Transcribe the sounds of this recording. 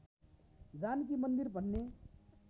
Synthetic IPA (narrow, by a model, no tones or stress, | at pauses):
d͡zank̬imʌnd̪irbʱʌnːe